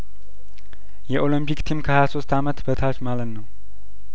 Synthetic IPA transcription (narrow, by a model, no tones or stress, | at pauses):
jɛʔo̞ləmpʰikt̪ʰimkʰəhajaso̞st̪ʰamət̪bət̪ʰat͡ʃmalət̪nəw